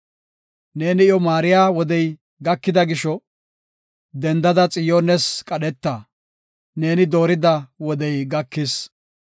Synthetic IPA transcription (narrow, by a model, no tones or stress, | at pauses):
ne̞ːnɪɪjɔmaːɾɪjaːwɔd̪ɛj | ɡɐkːɪd̪ɐɡɪʃɔ | d̪ɛnd̪ɐd̪ɐt͡sʼɪjonɛskʼɐɗɛt̪ːɐ | ne̞ːnɪd̪oːɾɪd̪ɐwɔd̪ɛjɡɐkːɪs